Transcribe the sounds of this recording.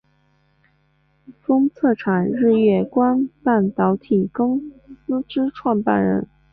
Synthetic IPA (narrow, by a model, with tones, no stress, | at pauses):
fɤ˥ŋt͡sʰɤ˥˩ʈ͡ʂʰa˨˩nɻɻ̩˥˧jɥɛ˥˩kwa˥npa˥˩nt̪ɑ˧˥ʊt̪ʰi˨˩kɤ˥ŋsɹ̩˥ʈ͡ʂɻ̩˥ʈ͡ʂʰwɑ˥˧npa̰˥˩nɻə̰˧˥n